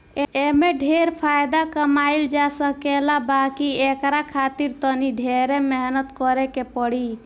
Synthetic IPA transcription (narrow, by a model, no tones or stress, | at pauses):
eemeɖʱeɾpʰajd̪akəmaild͡ʒasəkelabakiekɾakʰat̪iɾt̪əniɖʱeɾemeɦnət̪kɔɾɛkepəɽi